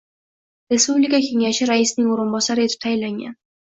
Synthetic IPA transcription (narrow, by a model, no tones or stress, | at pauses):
ɾespublikakʲʰe̞ŋaʃɪɾaisɪnɪŋoɾɪnbɒsaɾɪet̪ʰɪ̥p̚t̪ʰajlaŋɡʲa̰n